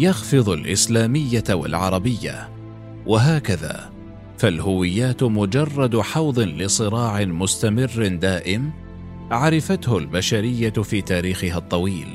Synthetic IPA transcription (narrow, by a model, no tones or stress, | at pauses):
jɑxfɨðˤʊlʔɪslaːmɪjːawa̰lʕɑ̰ɾˤɑbɪjːa̰ | wʔaɦaːkaða̰ː | falhʊwɪjːaːt̪mʊd͡ʒɑrˤːɑd̪ħɑwðˤɨlɪsˤɨɾɑːʕɪmʊst̪amɪrːd̪aːʔɪm | ʕaɾˤɪfat̪hʊlbaʃaɾɪjːafiːt̪aːɾiːxɪɦat̪ˤːɑwiːl